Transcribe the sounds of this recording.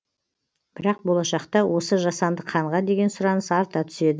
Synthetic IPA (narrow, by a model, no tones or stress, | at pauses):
b̥ɪɾɑq̚bo̞lˠɑʃɑqt̪ɑwʔo̞səʒɑsɑnd̪əqʰɑɴʁɑd̪e̞ɡʲe̞nsʊɾɑnəsɑɾt̪ɑt̪ʰʏ̥se̞d̪ɪ